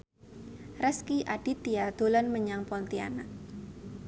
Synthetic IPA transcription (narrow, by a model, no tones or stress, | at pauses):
rɛskiʔad̥it̪iad̪̥o̤lanməɲaŋpɔnt̪ia̰na